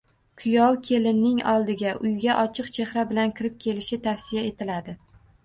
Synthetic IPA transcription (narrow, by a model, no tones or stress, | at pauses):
kʰʊjɒwkʲʰe̞lɪnːɪŋɒ̰lˠd̪ɪɡʲaʔʊjɡʲaʔɒt͡ʃʰɨqt͡ʃʰe̞hɾabɪlankʲʰɪɾɪp̚kʲʰe̞lɪʃɪt̪ʰafsɪjae̞t̪ʰɪlad̪ɪ